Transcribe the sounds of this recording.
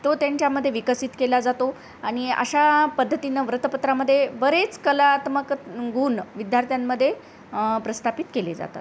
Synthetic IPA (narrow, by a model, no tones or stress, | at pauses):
t̪ot̪jaɲt͡ɕjaməd̪ʱːjeʋikəsit̪kelad͡zat̪o | aɽ̃iə̰ɕapəd̪ʱːət̪inəʋɾət̪əpət̪ɾaməd̪ʱːjebəɾet͡skəlaːt̪məkɡuːnʋid̪ʱjaɾt̪ʰjamːəd̪ʱːje | pɾəst̪ʰapit̪keled͡za̰t̪a̰t̪